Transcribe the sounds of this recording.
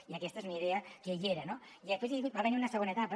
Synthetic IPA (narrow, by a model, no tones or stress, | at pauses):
iakest̪aezuniðeakeʎeɾano | iðepweziubaβniɾunaseɣonaet̪apa